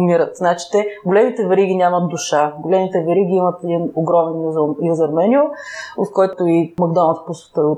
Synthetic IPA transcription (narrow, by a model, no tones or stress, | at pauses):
miɾət̪znat͡ʃi̥t̪ɛɡolɛmit̪ɛvɛɾiɡʲinʲamɐt̪̚d̪ʊʃaɡolɛmit̪ɛvɛɾiɡʲiimɐt̪ɛd̪inoɡɾɔmɛnjuzjuzɐɾmɛnʲioot̪̚kɔjt̪ʊimɐɡd̪ɔnət̪posvɛ̥t̪əo